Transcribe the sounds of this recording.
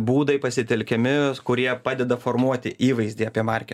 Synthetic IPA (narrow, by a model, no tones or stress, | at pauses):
buːd̪ɐɪpɐsʲɪt̪ʲɛlʲkʲɛmʲɪkʊɾʲiɛpɑːd̪ʲɛd̪ɐformuɔt̪ʲɪʔiːʋɐɪzʲd̪ʲiːɑːpʲiɛmɑɾʲkʲɛ